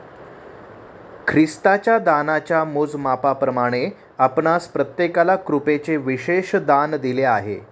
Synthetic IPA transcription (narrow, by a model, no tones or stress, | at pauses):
kʰɾist̪at͡ɕjad̪anat͡ɕjamod͡zmapapɾəmaɽ̃e | apɳaspɾət̪jekalakɾupet͡seʋiɕeɕd̪and̪ileaɦḛ